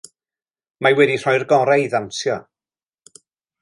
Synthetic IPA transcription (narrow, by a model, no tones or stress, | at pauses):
majwɛdir̥ɔjrɡɔɾajðansjɔ